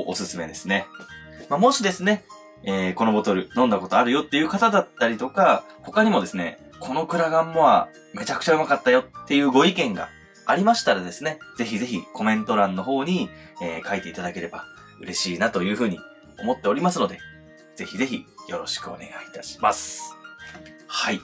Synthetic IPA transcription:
ʔosɨsɨme̞d̪e̞sɨne̞mamo̞ɕid̪e̞sɨne̞ | eːko̞no̞bo̞t̪o̞ɾɯ̟nõ̞nd̪ako̞t̪oaɾɯ̟jo̞t̪ːe̞jɯ̟ːkat̪ad̪at̪ːaɾʲit̪o̞kaho̞kaɲ̟imo̞d̪e̞sɨne̞̰ | kʰo̞no̞kɯ̟ɾaɡãmːo̞βa̰ | me̞t͡ɕakɯ̟̥aɯ̟makat̪ːajo̞t̪ːe̞jɯ̟ːɡo̞ikẽ̞ŋɡa̰ː | ɾʲimaɕi̥t̪aɾad̪e̞sɨne̞z̥e̞çize̞çʲiko̞mẽ̞nt̪o̞ɾãnːo̞ɦo̞ːɲ̟i | eːkait̪e̞it̪ad̪ake̞ɾe̞ba | ɯ̟ɾe̞ɕiːnat̪o̞jɯ̟ːɸɯ̟ːɲ̟i | o̞̰mo̞t̪ːe̞o̞ɾʲimasɨno̞d̪e̞ | z̥e̞çize̞çʲijo̞ɾo̞ɕi̥kɯ̟o̞̰ne̞̰ɡait̪aɕi̥ma̰sɨ̥ | hai

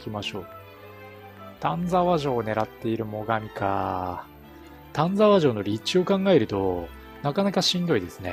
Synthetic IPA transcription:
kʲimaɕo̞ː | t̪ãnd͡zaβaʑo̞ːne̞ɾat̪ːe̞iɾɯ̟mo̞ɡamʲika | t̪ãnd͡zaβaʑo̞ːno̞ɾʲit͡ɕio̞kãŋɡae̞ɾɯ̟t̪o̞ | nakanakaɕĩnd̪o̞id̪e̞sɨne̞̰

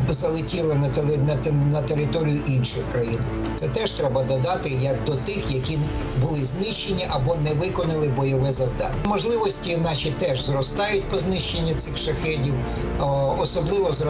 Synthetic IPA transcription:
zɐlˠɪtʲilˠɪnɐnɐt̪eɾɪt̪ɔɾʲijʊʔinʃɪxkɾɐjin | tsɛt̪ɛʒt̪ɾɛbɐd̪ɔd̪ɑt̪ɪjɐkd̪ɔt̪ɪxjɐkʲi | bʊlˠɪznɪʃt͡ʃenʲːiʔɐbɔnɛʋɪkɔnɪlˠɪbɔjɔʋɛzɐwd̪ɑ̰nʲmɔʒlˠɪʋɔsʲtʲiːnɑt͡ʃit̪ɛʒzrɔst̪ɑjʊtʲpɔznɪʃt͡ʃenʲːɐsʲɪxʃɐxɛdʲiw | ɔsɔblˠɪʋɔz

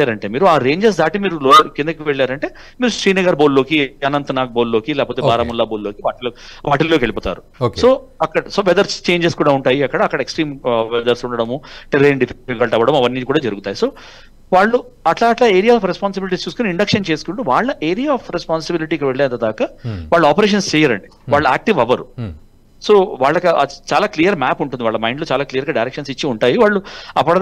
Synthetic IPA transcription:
aːɾɐɳʈe̞ːmiːɾuaːɾe̞ːɲd͡ʒes̬d̪aːʈimiːɾulokind̪ɐkiʋeɭːaːɾɐɳʈe̞ː | miːɾusɾiːnɐɡaːɾboːllo̞ːkiɐnɐnt̪ɐnaːk̚boːllo̞ːkilɛːkɐpoːt̪ebaːɾɐːmulːaːboːlloːkiʋaːʈiloː | ʋaːʈillokeɭipoːt̪a̰ːɾu | okso̞ːɐkːɐɽɐso̞ːʋɛd̪ɐɾst͡ʃe̞ːɲd͡ʒeskuːɽaːuɳʈaːjiɐkːɐɽɐːkːɐɽɐeksʈɾiːmʋɛd̪ɐɾsuɳɖɐɽɐmuʈiɾeɳɖipʰɡɐlɭʈɐʋɐɽɐmɐʋɐnːiːkuːɽaːd͡ʒɐɾuɡut̪aːjiso̞ː | ʋaːɭːu | ɐʈlaːʈlaːeːɾijaːfɾespaːns̬ibiliʈiːst͡ʃuːsukuːniɳɖɐkʂɐnt͡ʃe̞ːsu̥kuɳʈuʋaːɭːɐʔe̞ːɾijaːpʰɾespaːnsibiliʈiːkiʋeɭːeːɐnt̪ɐd̪aːkaʋaːɭːɐaːpɐɾeːʂ̬ɐnst͡ʃɛːjaɾɐ̰ɳɖi | ʋaːɭːɐaːk̚ʈiʋɐʋɐɾu | so̞ːʋaːɭːɐkɐt͡ʃaːlaːklijɐɾmaːpuɳʈund̪iʋaːɭːɐmɐjɳɖloːt͡ʃaːlaːklijɐɾɡaːɖɐjɾɛkʂɐnsit͡ʃːiuɳʈaːjiʋaːɭːuɐpːɐɽɐd̪

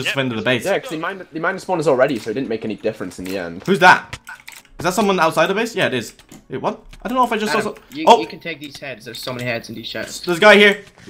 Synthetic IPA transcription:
ʌstəfɛ̃ndəðəbeɪsjækʰʌzðəmãɪ̃nðɨmãɪ̃nswʌ̃nəzl̩ˠɹɛɾisoʊt̚dɪdⁿn̩meɪkɛnidɪfɹɨ̃nsn̩ðiɛ̰̃nd̥hʉzðæ̰t̚kʰʌzðætsʌ̃mwʌ̃naʊtsaɪd̪ðəbeɪsjæɪɾɪz̥ | ɪt̚wʌ̃naɪdõʊ̃nːoʊəfaɪd͡ʒʌsɔsoʊɨkntʰeɪk̚ðiz̥hɛdzðə̥˞soʊmɛnihɛdzn̩ðiz̥ʃo̰̥ðə˞zɡaɪhiɹ

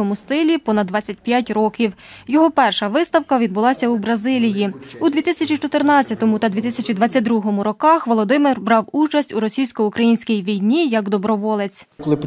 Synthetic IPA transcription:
ɔmʊst̪ɪlʲipɔnɐd̪ʋɑt͡sʲɐt̚ʲpjatʲɾɔkʲiw | jɔɦɔpɛrʃɐʋɪst̪ɐwkɐʋʲid̪̚bʊlˠɑsʲɐubɾɐzɪlʲijiud̪ʲʋʲit̪ɪsʲɐt͡ʃʲit͡ʃɔt̪ɪrnɑt͡sʲːɐt̪ɔmʊt̪ɐd̪ʋʲit̪ɪsʲɐt͡ʃid̪ʋɑt͡sʲːɐt̚ʲd̪ɾuɦɔmʊɾɔkɑxʋɔlˠɔd̪ɪmɪrbɾɑwut͡ʃɐsʲtʲuɾɔsʲijsʲkɔukɾɐjinʲsʲkʲijʋʲijnʲijɐɡd̪ɔbɾɔʋɔlˠet͡sʲkɔlˠɪp

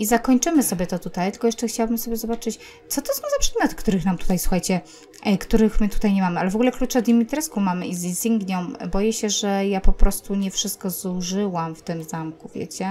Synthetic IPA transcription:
izakɔɲt͡ʂɘmɘsɔbʲjɛt̪ɔt̪ut̪ajt̪ɘlkɔjɛʂt͡ʂɛxt͡ɕawabɘmsɔbjɛzɔbat͡ʂɘt͡ɕ | t̪sɔt̪ɔsɔ̃w̃zapʂɛd̪mʲjɔt̪kt̪uɾɘxnamt̪u̥t̪ajswuxajt͡ɕɛ | kt̪uɾɘxmɘt̪u̥t̪ajɲɛmamɘalɛvɔɡulɛklut͡ʂɛd̪ʲimʲit̪ɾɛskɔ̃mamɘʔizizʲiŋɡɲɔ̃w̃bɔjɛɕɛʐɛjapɔpɾɔst̪uɲɛfʂɘst̪̚kɔzuʐɘwamft̪ɘmzamkuvʲjḛt͡ɕɛ

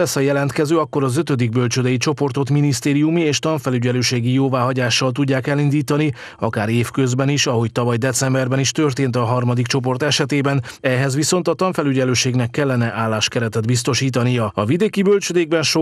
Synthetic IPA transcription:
ɛsɒjɛlɛnt̪kɛzøːɒkːo̞ɾɒzø̞t̪ø̞d̪iɡ̚bø̞lt͡ʃød̪ɛjit͡ʃo̞po̞rt̪o̞t̪minist̪eːɾijumieːʃt̪ɒɱfɛlyɟɛløːʃeːɡijoːvaːɦɒɟaːʃːɒlt̪uɟːaːkɛlind̪iːt̪ɒni | ɒ̰kaːɾeːfkø̞zbɛniʃɒɦo̞c̚t̪ɒvɒjd̪ɛt̪sɛmbɛrbɛniʃt̪ø̞rt̪eːnt̪ɒɦɒrmɒd̪ikt͡ʃo̞p̬o̞rt̪ɛʃɛt̪eːbɛnɛɦɛzʋiso̞nt̪ɒt̪ɒɱfɛlyɟɛløːʃeːɡnɛkːɛlːɛnɛʔaːlːaːʃkɛɾɛt̪ɛd̪bist̪o̞ʃiːt̪ɒnijɒɒ̰vid̪eːkibølt͡ʃød̪eːɡ̚bɛnʃo

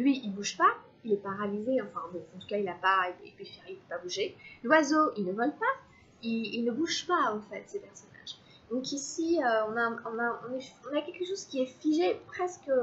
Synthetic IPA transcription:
lɥiilbuʒpa | ilɛpaʁavizeɑ̃fɛ̃bɔ̃ɑ̃t̪u̥kailapaeḛpɥifɛʁilpøpabuʒelwazoilnəvɔlpa | iilnəbuʒpaɑ̃fɛt̪sepɛʁsɔna̰ʒ | d̪̥ɔ̃kisiøɔ̃naɔ̃naɔ̃nɛɔ̃nakʲɛlkəʃozkʲiɛfiʒepχɛskə

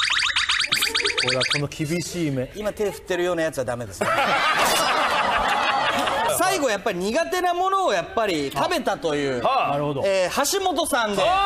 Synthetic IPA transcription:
oeako̞nokʲʰibʲiɕiːmeimat̪e̞ːɸɯ̟̥t̪ːe̞ɾɯ̟jo̞ːnajat͡sɨɯβad̪ame̞d̪e̞sɨe | saiɡo̞japːaɾʲiɲ̟iɡat̪e̞namo̞no̞ːjapːaɾʲit̪abe̞t̪at̪o̞jɯ̟ːnaɾɯ̟hod̪oehaɕimo̞t̪o̞sãnd̪e

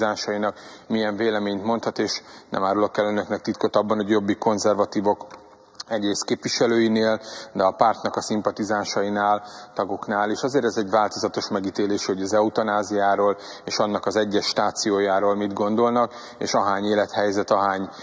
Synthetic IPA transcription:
aːʃɒjinɒkmijɛɱveːlɛmeːɲt̪mo̞nt̪hɒt̪eːʃnɛ̰maːɾolokːɛlønøknɛk̚t̪it̪̚ko̞t̪ɒbːɒnoɟjo̞bːiko̞nzɛrvɒt̪iːvo̞k | ɛɟreːst̪keːpʋiʃɛløːjineːld̪ɛɒpart̪nɒkɒsimpɒt̪izaːʃɒjinaːlt̪ɒɡo̞knaːliːʃɒzeːɾɛzɛɟvaːlt̪o̞zɒt̪o̞ʃmɛɡit̪eːleːʃoɟɒzɛut̪ɒnaːzijaːɾoːl | eːʃɒnːɒkɒzɛɟːɛʃːt̪aːt̪sijoːjaːɾoːlmid̪ɡo̞nd̪o̞lnɒk | ḛːʃɒɦaːɲeːlɛt̪hɛjzɛt̪ɒɦaːɲ

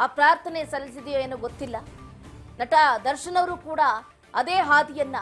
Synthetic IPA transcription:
aːpɾaːɾt̪ʰɐnesɐlːis̬id̪ijoeːnuɡot̪ːilːɐ | nɐʈɐd̪ɐɾʃɐnɐʋɐɾukuːɽɐ | ɐd̪eːɦaːd̪ijɐnːɐ

